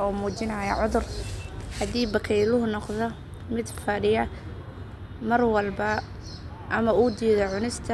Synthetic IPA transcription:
ɔːmuːt͡ʃɪnɐjɐʕʊðʊrhɐd̪iːbɐkʰɛjlʊɦʊnɔqðɔ | mɪd̪fɐɖɪjɐ | mɐrwɐlbɐ | ʔɐmɐuːd̪iːðɔʕʊnɪst̪ʰɐ

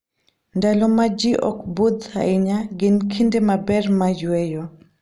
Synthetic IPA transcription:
ndalɔmad͡ʒiʔɔ̰kbud̪ha̰iɲaɡɪnkʰindemabɛrmajwɛjɔ

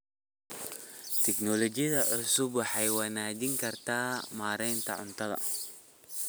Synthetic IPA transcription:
t̪ʰɛknɔlɔt͡ʃɪjɐðɐʕʊsʊbwɑħɑjwɐnaːd͡ʒɪŋkʰɐrt̪ʰaːmaːɾɛjnt̪ʰɐ̰ʕʊ̰nt̪ʰɐðɐ̰

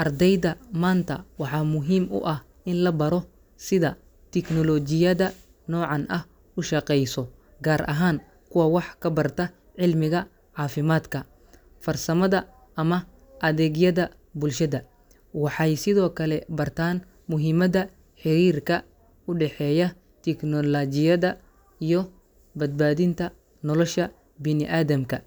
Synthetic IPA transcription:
ʔɐrd̪ɛjðɐmaːnt̪ʰɐ̰wɑħɑːmʊɦiːmʊ̰ʔɐh | ʔɪnlɐbɐɾɔ | sɪðɐ | t̪ʰɛknɔlɔd͡ʒɪjɐðɐ | nɔːʕɑnʔɐh | ʊʃɐqɛjsɔ | ɡaːɾʔɐ̰ɦaːŋ | kʰʊwɐwɑħkʰɐbɐrt̪ʰɐ | ʕɪlmɪɣɐ | ʕɑːfɪmaːd̪kʰɐ | fɐrsɐmɐðɐ | ʔɐmɐ | ʔɐðɛːɣjɐðɐ | bʊlʃɐðɐ | wɑħɑjsɪðɔːkʰɐlɛbɐrt̪ʰaːn | mʊɦɪmɐðɐ | ħɪɾiːrkʰɐ | ʊɖɛħɛːjɐ | t̪ʰɛknɔlɐd͡ʒɪjɐðɐ | ijɔ | bɐd̪̚baːðɪnt̪ʰɐ | nɔlɔʃɐ | bɪnɪʔaːðɐmkʰɐ

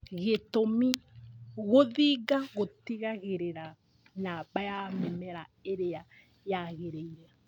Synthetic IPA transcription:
ɣetomiɣoðiːɡaɣotiɣaɣeɾeɾa | nabajamɛmɛɾaeɾea | jaɣeɾeiɾa

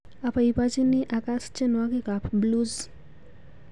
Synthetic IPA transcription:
apʰaipad͡ʒiniʔakast͡ʃenwakekapʰbluz

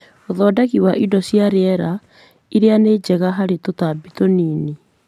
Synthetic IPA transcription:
oðɔːdakiwaʔidɔsjaɾeɛɾa | iɾeaneːd͡ʒɛɣaɦaɾetotabitoniːni

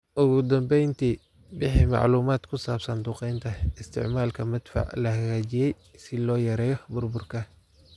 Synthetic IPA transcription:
ʔʊɣʊd̪ɐmbɛjnt̪ʰiː | bɪħiːmɑ̰ʕluːmaːd̪kʰʊsaːbsɐnd̪ʊːqɛjnt̪ʰɐɪst̪ʰɪ̰ʕmaːlkʰɐmɪd̪fɑ̰ʕlɐhɐɣaːt͡ʃɪjɛj | sɪlɔːjɐɾɛːjɔbʊrbʊrkʰɐ

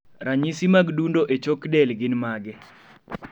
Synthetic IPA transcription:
ɾaɲisimaɡdundoʔet͡ʃokdɛlɡɪnmaɡɛ

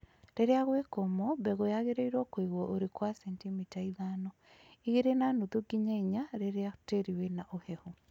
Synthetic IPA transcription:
ɾeɾeaɣwekomɔbɛɣojaɣeɾeiɾwɔkwiɣwɔʔoɾekwasɛntimitaiðanɔ | iɣeɾenanutuɡiɲaiɲaɾeɾeateɾiwenaʔohɛhu

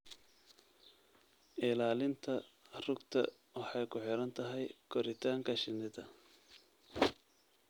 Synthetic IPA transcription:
ʔɪlaːlɪnt̪ʰɐrʊɡt̪ʰɐ̰ | wɑħɑjkʰʊħɪɾɐnt̪ʰɐɦɛjkʰɔɾɪt̪ʰaːŋkʰɐʃɪnɪðɐ

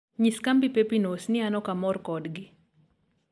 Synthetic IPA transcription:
ɲiskambipepinosnɪanɔkamɔrkɔdɡɪ

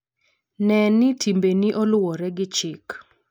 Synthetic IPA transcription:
nɛnitʰimbeniʔolwɔɾɛɡɪt͡ʃɪk

